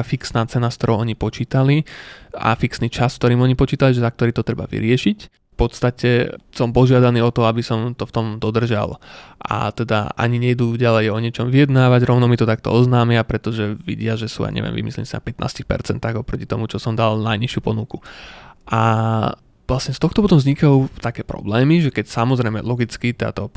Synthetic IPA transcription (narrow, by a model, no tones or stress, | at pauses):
afiksnaːt͡sɛnaskt̪ɔɾɔʊɔɲipɔt͡ʃiːt̪alia̰fiksniːt͡ʃaskt̪ɔɾiːmɔɲipɔt͡ʃiːt̪aliʒɛzak̚t̪ɔɾiːt̪ɔt̪ɾɛba̰ʋḭɾɪɛʃic | fpɔt̪st̪acɛsɔmpɔʒɪad̪aniːɔt̪ɔabisɔmt̪ɔft̪ɔmd̪ɔd̪r̩ʒa̰lʔa̰t̪ɛd̪a̰ʔa̰ɲiɲɛjd̪uːɟalɛjɔɲɪɛt͡ʃɔmʋijɛd̪naːʋaɟɾɔʊnɔmit̪ɔt̪akt̪ɔ̰ɔznaːmɪapɾɛt̪ɔʒɛʋḭɟɪaʒɛsṵːa̰ɲɛ̰ʋɪ̰ɛ̰mʋḭmḭslɛ̰ɲsinapɛt̪nʔa̰ːscixpɛ̰ɾt͡sɛnt̪aɣɔpɾɔci̥t̪ɔmut͡ʃɔsɔmd̪alnajɲiʃɪupɔnukuʔa | ʋlasɲɛst̪ɔxt̪ɔpɔt̪ɔmzɲikauʊt̪akɛːpɾɔ̰blɛːmiʒɛkɛcsamɔzɾɛjmɛ̰lɔɡit͡skit̪ɛa̰t̪ɔ